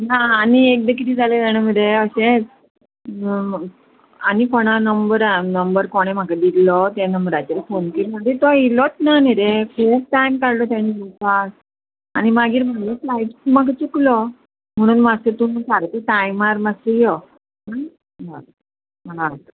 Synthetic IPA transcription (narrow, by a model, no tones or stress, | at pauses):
naːniek̚d̪əkʰit̪id͡zaled͡zaɽ̃aməd̪eəɕe | anikoɽ̃anəmbəɾanəmbəɾkoɽ̃em̤akad̪it̪lɔt̪anəmbəɾajt͡ɕeɾfonkiɾm̤əd̪ʱet̪ɔilɔt̪naniɾekʰuːp̚ʈajmkaɽlɔt̪̬jañibisas | animaɡiːɾm̤əɳeslajp̪umakat͡suklɔ | m̤əɽ̃ũːnmasət̪unkaɾt̪əʈajmaɾmasəjɔ | ɦa | a | məlat̪